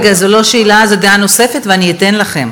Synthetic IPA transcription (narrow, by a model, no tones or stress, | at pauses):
ɡazolo̞ʃeilazedano̞se̞fet̪veaniet̪enlaχem